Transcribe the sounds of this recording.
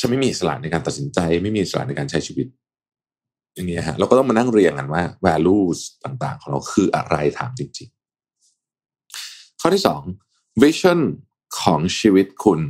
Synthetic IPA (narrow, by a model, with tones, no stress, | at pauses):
t͡ɕʰa˧˦nma˥˩jmiː˧ʔi˨˩sa˧la̰˨˩na˧jkaː˧nt̪a˨˩t̪si˩˦nt͡ɕa˧jma˥˩jmiː˧ʔsa˧a̰˨˩na˧jkaː˧nt͡ɕʰa˦˥jt͡ɕʰiː˧wi˦˥t̪̚ | ja˨˧ŋni˦˥ʔa˧˩a˦˥ɾaː˧kɔ˥˩t̪ɔ˥˩ma˧na˥˩ŋɾi˧ənka˧nwaː˥˩wɛː˧luː˥˩st̪aː˨˩ŋt̪a̰ː˨˩ŋkʰɔː˩˦ɾa̰˧wkʰɯː˧ʔa̰˧ɾa˧jt̪ʰa̰ː˩˦mt͡ɕi˧ŋt͡ɕi˧ŋ | kʰɔː˥˩t̪ʰiː˥˩sɔ̰ː˩˦ŋ | wi˦˥sʰɔ˥˩n | kʰɔː˩˦ŋt͡ɕʰiː˧wi˦˥t̪̚kʰu˧n